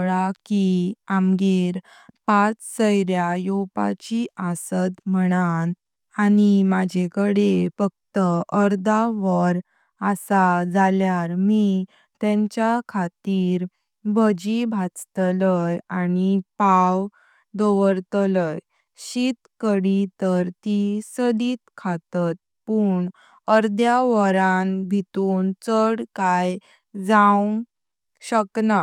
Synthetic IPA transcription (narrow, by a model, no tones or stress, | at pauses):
ɭakiamɡeɾ | pat͡ssəjɾjajopa̰t͡ɕiasət̪məɽ̃an | animad͡ʑʱekəɽefək̚t̪əʔəɾd̪aʋəɾ | əsad͡zaljaɾmi | t̪jɛ̃ɲt͡ɕjakʰat̪iːɾ | bʱəd͡ʑibʱat͡st̪ləjanipaw | d̪oʋəɾt̪ləj | ɕit̪kəɽit̪əɾt̪isəd̪iːt̪kʰat̪at̪̚ | puːɳ | əɾd̪jaʋəɾanbʱit̪uːnt͡səɽkaj | d͡zaw | ɕəkna